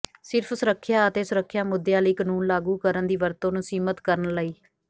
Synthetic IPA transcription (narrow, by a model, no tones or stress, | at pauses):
sɪɾpʰsəɾəkʰːjaːət̪eːsəɾəkʰːjaːmʊd̪jãːləiːkənuːnlaːɡuːkəɾənd̪iːʋəɾt̪õːnũːsiːmət̪kəɾənləiː